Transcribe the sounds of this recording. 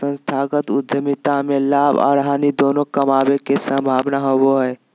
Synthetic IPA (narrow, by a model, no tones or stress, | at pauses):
ə̃nst̪ʰaːɡət̪ʊd̪ʱjəmit̪amẽlaːba̰ːɾɦaːnid̪oːnokəmaːbekesə̃mbʱaːbnaɦoboɦɛː